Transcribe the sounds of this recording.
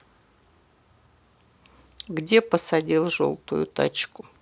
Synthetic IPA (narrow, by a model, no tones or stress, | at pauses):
ɡdʲe̞pəsɐdʲilˠʐo̰lˠt̪ʊjʊ̰t̪a̰t͡ɕkʊ